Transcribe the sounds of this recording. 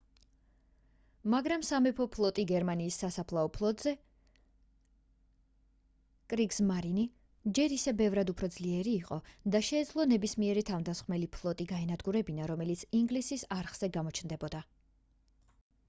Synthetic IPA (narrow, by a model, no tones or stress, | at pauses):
maɡɾamsamɛpʰɔpʰlˠɔt̪ʼiɡɛɾmaniːsːasapʰlˠaɔpʰlˠɔt̪ʼz̥ɛ | kʼɾiksmaɾini | d͡ʒɛɾisɛbɛvɾad̪upʰɾɔd̪zliɛɾiːqʼɔd̪aʃɛːd̪zlˠɔnɛbismiɛɾit̪ʰavnd̪asχmɛlipʰlˠɔt̪ʼiɡaɛnad̪ɡuɾɛbinaɾɔmɛlit̪sʰiŋɡlisisaɾχz̥ɛɡamɔt͡ʃʰnd̪ɛbɔd̪a